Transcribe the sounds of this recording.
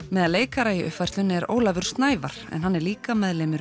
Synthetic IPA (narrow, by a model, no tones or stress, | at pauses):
mɛːðaðleːjkaɾaiʔʏ̰hfajr̥t̪lʏnɛɾo̰ːwlavʏɾ̥st̪naːjvaɾ̥ɛ̰nɦanːɛɾliːkamɛðlemɪɾ